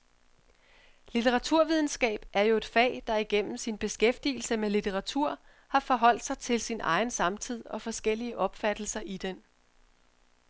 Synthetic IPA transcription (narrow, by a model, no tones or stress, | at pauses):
lit͡sʰeʁɑ̈t͡sʰuɐ̰ʋið̞ˠn̩sɡ̥ɛ̰ːb̥ʔæɐjo̝e̝d̥fɛ̰ːd̥ɑ̈iɡ̥en̰m̩sinb̥e̝sɡ̥efd̥iːl̩səmelit͡sʰeʁɑ̈t͡sʰuɐ̰ | hɑ̈fɒ̽ɦɒ̽l̰d̥sɑ̈ɪt͡sʰe̝lsinʔɑ̈ɪn̩sɑ̈mt͡sʰið̰ˠɒ̽fɒ̽sɡ̥el̰iəʔɒ̽b̥fæd̥l̩sɐʔid̥en